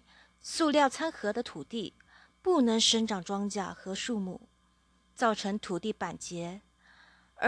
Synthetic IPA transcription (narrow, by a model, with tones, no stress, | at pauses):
su˥˧ljɑ˥˩ʊt͡sʰa˥nxɤ˧˥d̪ə˧t̪ʰu˨˩t̪i˥˩ | pu˥˩nɤ˧˥ŋʂə˧˥ŋʈ͡ʂɑ˨˩ŋʈ͡ʂwɑ˥ŋt͡ɕja˥˩xɤ˧˥ʂu˥˧mu˥˩ | t͡sɑ˥˩ʊʈ͡ʂʰɤ˧˥ŋt̪ʰu˨˩t̪i˥˩pa˨˩nt͡ɕjɛ˧˥˧